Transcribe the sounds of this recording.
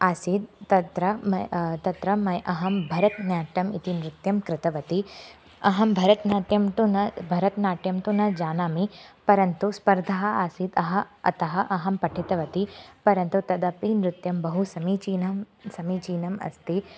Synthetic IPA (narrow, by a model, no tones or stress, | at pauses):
aːsid̪̚t̪ɐt̪ɾɐmɐt̪ɐt̪ɾɐmɐjʔɐɦɐmbʱɐɾɐt̪njaːʈɐmit̪inɾut̪jɐmkɾɪt̪ɐʋɐt̪i | ɐɦɐmbʱɐɾɐt̪naːʈjɐmt̪unɐbʱɐɾɐt̪naːʈjɐmt̪unɐd͡ʒaːnaːmipɐɾɐnt̪uspɐɾd̪ʱɐɦɐ̆aːsiːd̪ɐɦɐ̆ɐ̰t̪ɐɦɐʔɐɦɐmpɐʈʰit̪ɐʋɐt̪ipɐɾɐnt̪ut̪ɐd̪ɐpinɾut̪jɐmbɐɦusɐmiːt͡ʃiːnɐm | sɐmiːt͡ʃiːnɐmɐ̰st̪i